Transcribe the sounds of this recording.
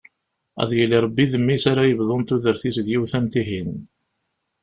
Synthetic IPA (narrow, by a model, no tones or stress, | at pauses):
æ̰ðjəliɾˤɑbːiðəmːisaɾajəvðˤont̪uðəɾθisðjiwθænt̪iɦin